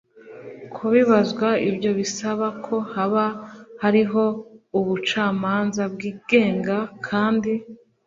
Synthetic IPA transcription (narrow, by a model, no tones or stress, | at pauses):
kʰuβiβazɡwaibɟo̞βisaβakʰo̞haβahaɾiɦo̞uβut͡ʃaːmaːnzab̚ɡiːɡ̥e̞ːŋɡakʰaːndi